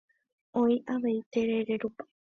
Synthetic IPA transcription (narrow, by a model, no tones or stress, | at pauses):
oiʔaʋeit̪eɾeɾeɾupḁ